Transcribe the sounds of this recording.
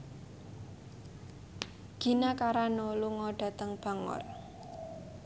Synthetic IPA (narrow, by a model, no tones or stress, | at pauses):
ɡ̥i̤nakaɾanoluŋɔɖ̥a̤t̪əŋb̥a̤ŋɔ̰r